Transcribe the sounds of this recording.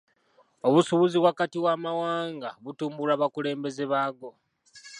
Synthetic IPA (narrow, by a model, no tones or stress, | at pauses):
o̞βusuβuziβwakatiwaːmawaːŋɡa̰βutuːmbulaːβakule̞ːmbe̞ze̞βaːɡo̞